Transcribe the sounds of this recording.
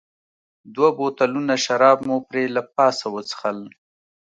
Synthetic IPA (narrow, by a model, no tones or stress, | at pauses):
d̪wabot̪alunaʃaɾɑbmopɾelap̚ɑsawət͡sə̥xəl